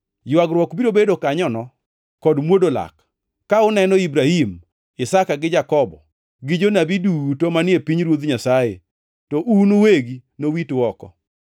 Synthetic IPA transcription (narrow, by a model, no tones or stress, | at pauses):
jwaɡɾwɔkbiɾobedokaɲɔnɔ | kɔdmwodola̰kː | aʊnɛnɔibɾahim | ɪsakaɡɪd͡ʒakɔbɔ | ɡɪd͡ʒonabidutomanɪepiɲɾwod̪ɲasajḛ | tɔʔunuweɡinowitwɔkɔ̰